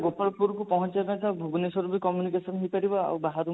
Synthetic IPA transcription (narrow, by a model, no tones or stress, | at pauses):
ɡopɔɭɔpuɾkupɔɦɔnt͡ʃanakabʱuɡɔnesɔɾubikɔmjunikesɔnɦejpaɾibɔa̰wbaɦaɾu